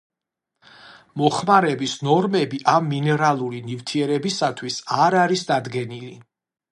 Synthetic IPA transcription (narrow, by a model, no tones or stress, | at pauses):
mɔχmaɾɛbisnɔɾmɛbiʔamːinɛɾalˠuɾinivt̪ʰiɛɾɛbisat̪ʰwisaɾaɾisd̪ad̪ɡɛnili